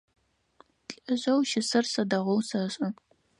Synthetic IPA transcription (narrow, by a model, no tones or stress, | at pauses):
ɬʼʔɨɕʼɐwʃɪsɐrsɐdɐʁʷowsɐɕʼɐ